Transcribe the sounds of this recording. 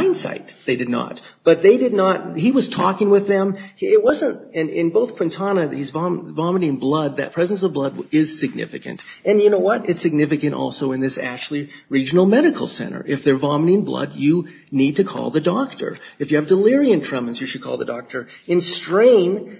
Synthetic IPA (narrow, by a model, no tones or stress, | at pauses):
ɪ̃nsa̰ɪt̪̚ðeɪdɨdⁿnə̰t̚b̥ʌt̪̚ðeɪdɨdⁿnət̚hiwʌz̥tʰɔkɪ̃ŋwɪðɨ̃mɪt̚wʌzə̃ntɨ̃nɪ̃nboʊθkʰw̥ɨ̃ntʰɑnɨhizvɑvɑmənĩnblʌd̪̚ðɨ̰t̚pʰɹ̥ɛz̃n̩sʌvblʌd̚ɪz̥sɨɡ̚nɪ̰fɨ̰kɨ̰̃nt | ɨ̃njɨnoʊwʌɾɨtsɨɡ̚nɪfɨkɨ̃ntɔ̰lˠsoʊɨ̃nðɪsæ̰k̚t͡ʃʉl̩ˠi | ɹid͡ʒɨn̩l̩ˠmɛɾɨkʰl̩ˠsɛ̰̃ɾ̃ə̰˞ʔɨfðə˞vɑmənĩnblʌ̰djɨ | nid̚tɨkʰɔ̰lˠðɨdɔk̚tʰə̰˞ɨfjɨɨvdəlɪɹiɨ̃ntʰɹ̥ʌ̃mɨ̃nzjɨʃɨd̚kʰɔ̰lˠðɨ̰dɔk̚tʰə˞ɨ̃nstɹ̥ẽɪ̃n